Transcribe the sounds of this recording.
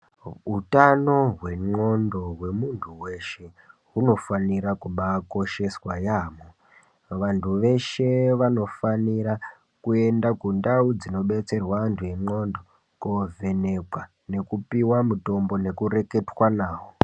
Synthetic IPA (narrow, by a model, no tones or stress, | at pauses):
ɦutano̞ɦwe̞ŋ͡ǃo̞ndo̞ɦwe̞muntʰuwe̞ʃe̞ | ɦuno̞faniɾakuɓako̞ʃe̞swajaːmo | ʋantʰuʋe̞ʃe̞ʋano̞faniɾa | kue̞ndakundaud͡zino̞ɓe̞t͡se̞rwaantʰuje̞ŋ͡ǃo̞ndo̞ | kove̞nekwa | ne̞kupiwamuto̞mbo̞ne̞kuɾe̞ke̞twanaːwo